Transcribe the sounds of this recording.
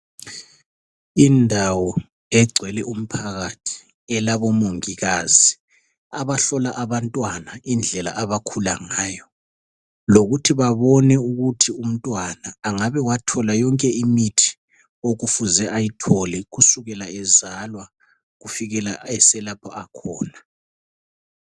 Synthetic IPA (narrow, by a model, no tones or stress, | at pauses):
indʱawɔ | ɛɡ͡ǀʱwɛlɛʔum̩pʰaɣatʰi̥ | ɛlaβɔmoŋiɣaz̥i | aβaɬɔlaʔaβantʼwanaind͡ɮʱɛla̰ʔaβakʰula̰ŋaːjɔ | loɣutʰiβaβɔnɛuɣutʰium̩tʼwanaːŋaβɛwatʰɔlajɔŋkʼɛimitʰi̥ | oɣufuzɛʔajitʰɔlɛɣusuɣɛlaɛzalwa | ɣufiɣɛlaɛsɛlapʰɔakʰɔːna